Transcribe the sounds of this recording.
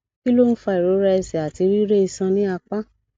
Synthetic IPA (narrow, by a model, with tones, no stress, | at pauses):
ki˦lo˦ñ̩˦fa˧i˨ɾo˨˦ɾɛ˦ɛ˧sɛ˨a˨ti˨˧ɾi˦ɾe˦i˧sã˧nĩ˦a˧k͡pa˦